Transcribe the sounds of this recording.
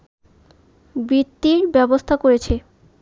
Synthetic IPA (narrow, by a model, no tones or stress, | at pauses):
bɾit̪ːiɾbɛbost̪ʰakoɾet͡ɕʰe